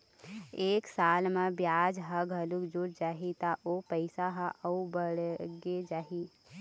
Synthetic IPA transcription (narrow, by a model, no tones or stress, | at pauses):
eːksaːlmẽbjaːd͡ʒɦəɡʱəlukd͡ʒuɾd͡ʒaːɦit̪aʔopəɪsaɦãʔəubəɽɡed͡ʒaːɦi